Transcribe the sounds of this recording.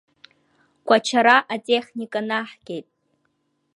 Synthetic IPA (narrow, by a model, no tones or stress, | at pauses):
ɡʷat͡ʃʰaɾaʔatʼeχnikʼanaħɡ̥ʲe̞jtʼ